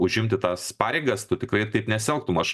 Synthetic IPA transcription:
ʊʒʲɪmʲt̪ʲɪt̪ɑːspɑːɾʲeɪɡɐst̪ʊt̪ʲɪkrɐɪt̪ɐɪpnʲɛsʲɛlˠk̚t̪ʊmɐʃ

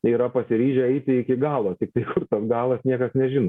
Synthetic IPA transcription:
iːɾɐpɐsʲɪɾʲiːʒʲɛɛɪt̪ʲɪɪkʲɪɡɑːlˠoːt̪ʲɪk̚t̪ɐɪkʊrt̪ɐsɡɑːlˠɐsnʲiɛkɐsnʲɛʒʲɪno

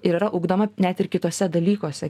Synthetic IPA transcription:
ɪɾiɾɐʔʊːɡd̪oːmɐnʲæt̪ʲɪrkʲɪt̪oːsʲɛd̪ɐlʲiːkoːsʲɛ

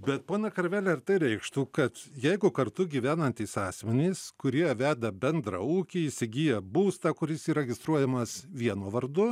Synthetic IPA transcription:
bʲɛt̪̚poːnʲɐkɐɾʲʋʲæːlʲɛɪrt̪ɐɪɾʲɛɪkʃt̪uːkɐt̪jɛɪɡʊkɐrt̪ʊɡʲiːʋʲæːnɐnʲt̪ʲɪsɑːsʲmʲɛnʲeɪskʊɾʲiɛʋʲæːd̪ɐbʲɛnd̪ɾɐ̰ːuːkʲiɪsʲɪɡʲiːjɛbuːst̪ɐkʊɾʲɪsiːɾʲɛɡʲɪst̪ɾuɔjɛmɐsʋʲiɛnoːʋɐrd̪ʊ

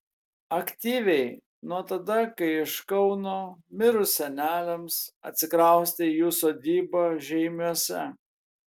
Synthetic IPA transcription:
ɐkt̪ʲiːʋʲɛɪ | nuɔt̪ɐd̪ɐkɐɪɪʃkɐʊnoːmʲɪɾʊsʲɛnʲæːlʲɛmsɐ̰t̪ʲsʲɪkɾɐˑʊsʲt̪ʲɪjuːsoːd̪ʲiːboːʒʲɛɪmʲuɔsʲɛ

